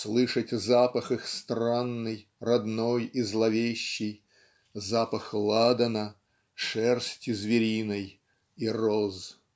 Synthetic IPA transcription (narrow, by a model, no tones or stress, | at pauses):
slˠɨʂətʲzapəxɨxst̪ranːɨjrɐd̪nojizlˠɐvʲeɕːɪj | zapəxlˠad̪ənə | ʂɛrsʲtʲɪzvʲɪɾʲinəj | iroz